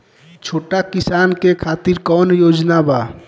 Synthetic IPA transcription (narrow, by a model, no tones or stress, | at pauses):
t͡ʃʰoʈakisankekʰat̪iɾkɔnjod͡ʒnaba